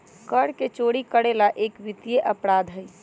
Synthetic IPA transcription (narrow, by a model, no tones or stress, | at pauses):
kəɾket͡ʃoɽikəɽelaʔekʋit̪jeʔəpɾad̪ʱɦəj